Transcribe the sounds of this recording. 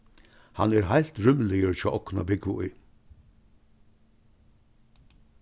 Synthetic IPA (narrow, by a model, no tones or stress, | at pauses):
ha̰nɛɾɦajl̥t̪ɹʏmlɛjəɾt͡ʃʰɔːʔɔkna̰bɪɡʋʊʊj